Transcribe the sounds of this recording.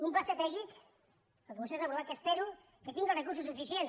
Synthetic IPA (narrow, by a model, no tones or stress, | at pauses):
umpast̪at̪ɛʒit̪ | akemusesapɾoβaɾkespeɾu | ket̪iŋɡarekuɾs̬usufisjen